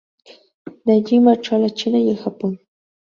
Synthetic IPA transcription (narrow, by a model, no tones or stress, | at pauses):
d̪aʎɪmaʈ͡ʂalat͡ʃɪnajaxapʊŋ